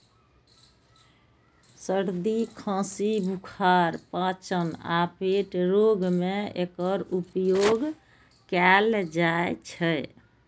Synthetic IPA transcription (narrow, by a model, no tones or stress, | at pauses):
səɾd̪ikʰãsibʱukʰaɾpãt͡ʃəna̰peʈɾoɡmeekəɾupjoɡ | kɛld͡ʒaet͡ʃʰəj